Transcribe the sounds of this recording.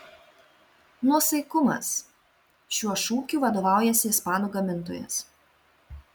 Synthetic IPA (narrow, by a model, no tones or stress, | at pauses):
nuɔsɐɪkʊmɐ̰s | ʃʲuɔʃuːkʲuːʋɐd̪oːʋɑˑʊjɛsʲɪɪspɑːnuːɡɐmʲɪnˑt̪o̰ːjɛ̰s